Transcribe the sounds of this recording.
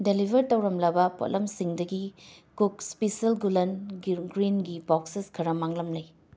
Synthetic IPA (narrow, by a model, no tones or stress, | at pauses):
delibʱɐɾtɐwɾɐmlɐbɐpo̰lʔɐmsiŋdɐɡikuk̚spisɐlɡulɐnɡɾinɡibɔkseskʰɐɾɐmaŋlɐmlɐj